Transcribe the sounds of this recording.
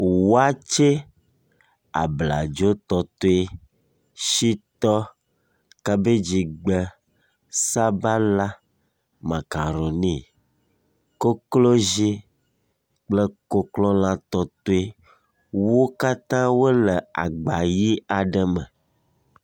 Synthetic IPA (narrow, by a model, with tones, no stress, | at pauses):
wo˦a˦t͡ʃe˦ | a̰˨bla̰˨d͡ʒo˦t̪ɔ˨t̪o˦e˦ | ʃi˦t̪ɔ˦ | ka˦be˦d͡ʑi˨ɡ͡bə˨ | sa˦ba˦la˦ | ma˨ka˨ɾo˨nĩ˦ | ko˦klo˦ʒi˦ | k͡ple˦ko˦klɔ̃˦l̃ã˦t̪ɔ˦t̪o˦e˦ | wo˦ka˦t̪ã˦wo˦le˨a̰˨ɡ͡ba˨ji˦a˨ɖə˦mə̃˨